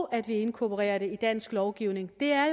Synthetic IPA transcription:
æd̥ʋie̝nkʰopʰəʁɛ̰ːɐɾe̝id̥æn̰sɡ̥lɒʊɡ̥iʊne̝ŋd̥e̝æɐj

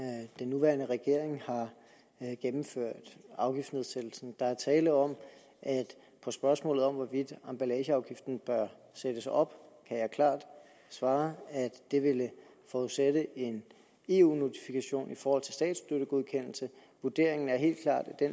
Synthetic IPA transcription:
d̥enːuʋæːɐnəʁɛɡ̥e̝ɐ̰e̝ŋhɑ̈ | ɡ̥emm̩føɐ̰d̥ɑ̈ʊɡ̥ifd̥ne̝ð̞ˠsed̥l̩sn̩d̥ɑ̈æɐt͡sʰɛːləðɒ̽m̰ | ʔæd̥ | pʰɒ̽sb̥ɶɐsmɔ̰̽lð̩ˠɒ̽mʋɒʋid̥ɑ̈mb̥ælɛːɕəɑ̈ʊɡ̥ifd̥n̩b̥ɶɐ | sed̥əsɒ̽b̥kʰæjɑ̈ɪkʰlɑ̰̈ːd̥ | sʋɑ̈ːæd̥ːe̝ʋe̝lə | fɒuðˠseɾ̥əʔe̝n | e̝ːuːno̝t͡sʰi̥fikʰæɕo̝̰ːnifɒːhɒ̽l̰t͡sʰe̝lsd̥ɛ̰ːd̥sd̥øɾəɡ̥oð̞ˠkʰen̰l̩sə | ʋud̥e̝ɐ̰e̝ŋn̩æɐɦe̝̰ːld̥̚kʰlɑ̰̈ːd̥d̥en

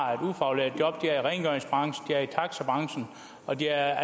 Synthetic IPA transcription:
e̝d̥ufɑ̈ulḛɐ̰d̥jɒ̽b̥̚d̥iæɐiʁɛɪnɡ̥œɐeŋsb̥ʁɑ̈ŋsn̩d̥iæɐit͡sʰɑ̈ɡ̥səb̥ʁɑ̈ŋsn̩ | ɒ̽d̥iæɐæ

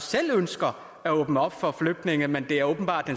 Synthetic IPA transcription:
sel̰ønsɡ̥ɐ | æɔːb̥nəɒ̽b̥fɒ̽fløɡ̥̚d̥ne̝ŋəmend̥e̝æɐɔːb̥n̩b̥ɑ̰̈ːd̥ːen

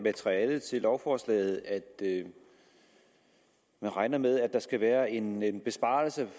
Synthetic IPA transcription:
mæt͡sʰʁiɛːlð̩ˠt͡sʰe̝lɒʊfɒːslɛ̰ːð̩ˠæd̥ | mænʁɑ̈ɪnɐmeð̞ˠæd̥ɑ̈sɡ̥æʋæːɐe̝nnb̥e̝sb̥ɑ̰̈ːl̩sə

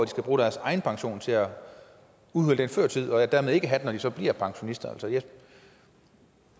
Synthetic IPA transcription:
d̥isɡ̥æb̥ʁuːɾ̥æɐsɑ̈ɪn̩pʰɑ̈ŋɕo̝̰ːnt͡sʰe̝æ | uðˠhøləd̥enføɐ̰t͡sʰið̰ˠɒ̽æd̥æɐmeð̞ˠe̝ɡ̥əɦæd̥enɒd̥isɒ̽b̥liɐ̰pʰɑ̈ŋɕo̝nisd̥ɐæl̰sɒjæ

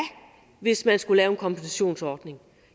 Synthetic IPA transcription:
ʋe̝smænsɡ̥ulɛːʊenkʰɒ̽mpʰensʰæɕo̝̰ːnsɒːd̥ne̝ŋ

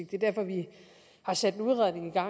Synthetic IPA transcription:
ɡ̥̚d̥e̝d̥æɐfɒ̽ʋi | hɑ̈sæd̥enuðˠʁaðˠne̝ŋiɡ̥ɑ̈

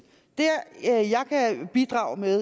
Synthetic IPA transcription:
d̥eɐjɑ̈ɪkʰæb̥id̥ʁɑ̈ːʊmeðˠ

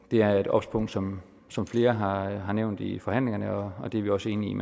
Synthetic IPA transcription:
d̥e̝æɐe̝d̥ɒ̽b̥spʰɔ̽ŋ̰d̥sɒ̽m | sɒ̽mfle̝ːɐɦɑ̈ɦɑ̈neʊ̰nd̥ifɒ̽ɦhæn̰le̝ŋɐnəɒ̽ɒ̽d̥e̝æɐʋiɒ̽səe̝ːniim

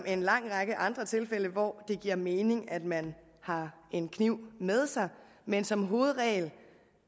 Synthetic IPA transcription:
me̝nlɑ̈ŋ̰ʁɑ̈ɡ̥əʔɑ̈nd̥ʁɐt͡sʰe̝lfel̰əʋɒd̥e̝ɡ̥iɐ̰me̝ːne̝ŋæd̥mæn | hɑ̈e̝nkʰniʊ̰með̞ˠsɑ̈ɪ | mensɒ̽mɦo̝ːð̞̩ˠʁɛ̰ːl

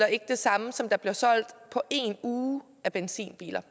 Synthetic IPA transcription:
lɐe̝ɡ̥əd̥e̝sɑ̈məsɒ̽md̥ɑ̈b̥liɐsɒ̽l̰d̥pʰɒ̽ʔe̝nuː | æb̥ensḭːnb̥ḭːlɐ

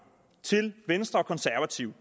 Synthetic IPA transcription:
t͡sʰe̝lʋensd̥ʁɐɒ̽kʰɒ̽nsæɐʋæt͡sʰiʊ̰

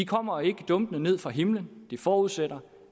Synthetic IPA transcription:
ikʰɒ̽m̰ɐe̝ɡ̥əd̥ɔ̽mb̥ənəne̝ð̰ˠfʁɑ̈ɦe̝mlənd̥efɒːuð̞̰ˠseɾɐ

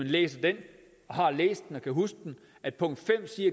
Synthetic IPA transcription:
enlḛːsɐd̥en | ɒ̽ɦɑ̈lḛːsd̥enɒ̽kʰæɦus̚d̥en | æd̥̚pʰɔ̽ŋ̰d̥fem̰siɐ

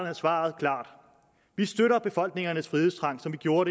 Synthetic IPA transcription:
ɐnsʋɑ̰̈ð̞̩ˠkʰlɑ̰̈ːd̥ | ʋisd̥øɾɐb̥e̝fɒ̽l̰ɡ̥ne̝ŋɐnəsfʁiðest͡sʰʁɑ̈ŋ̰sɒ̽mʋiɡ̥jo̝ːɐɾe

